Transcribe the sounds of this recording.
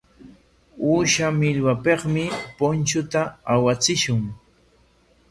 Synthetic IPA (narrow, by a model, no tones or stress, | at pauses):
uːʃamɪʎwapeqmɪpʊnt͡ʃʊt̪aawat͡sɪʃʊŋ